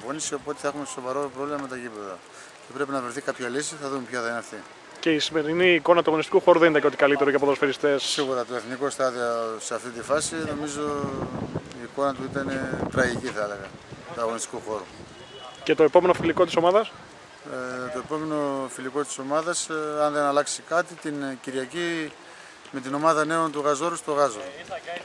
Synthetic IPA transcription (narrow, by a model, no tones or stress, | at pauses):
vonisio̞pot̪e̥θe̞xumeso̞vɐɾopɾovlimɐme̞t̪ɐcipeðɐ | cepɾe̞pinɐvɾeθikapçɐlisiθɐðumepçɐθɐinɐfθi | ce̞isime̞ɾiniːko̞nɐt̪uɐɣo̞nist̪ikuxo̞ɾuðenid̪ɐceot̪i̥kɐlit̪eɾoikeɐpoðɾofeɾist̪e̞ssiɣuɾɐt̪oe̞θnikost̪ɐðioseɐft̪it̪ifɐsino̞mizo̞ | iːko̞nɐt̪uit̪ɐnet̪ɾɐʝiciθɐele̞ɣɐt̪uɐɣo̞nist̪i̥kuxo̞ɾṵ | cet̪o̞epo̞me̞nofiliko̞t̪iso̞maðɐs | t̪o̞e̞po̞me̞no̞filiko̞t̪i̥so̞mɐðɐsɐnðe̞nɐlɐksikɐt̪it̪inciɾʝɐci | me̞t̪ino̞mɐðɐne̞o̞nt̪uɣɐzo̞ɾust̪o̞ɣɐzoɾu